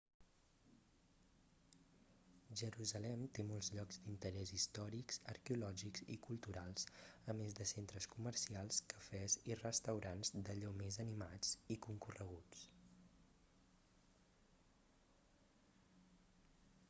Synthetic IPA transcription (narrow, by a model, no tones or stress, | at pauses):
ʒəɾuzəlɛmt̪emolˠzʎɔɡzd̪int̪əɾɛzist̪ɔɾikzə̰ɾkɛulɔʒikzḭkulˠt̪uɾalˠsəmezd̪əsent̪ɾəskumərsialˠskəfɛzirəst̪əwɾanzd̪əʎomezənimad͡zikuŋkurəɣut͡s